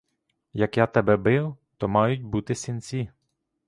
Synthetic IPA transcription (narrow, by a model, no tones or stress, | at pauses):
jɐkjat̪ɛbɛbɪwt̪ɔmɑjʊt̚ʲbut̪ɪsʲɪnt͡sʲi